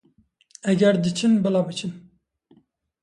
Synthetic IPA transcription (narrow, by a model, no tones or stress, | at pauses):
ɛɡɛɾd̪ɨt͡ʃʰɨnbɛlɑːbɨt͡ʃʰɨn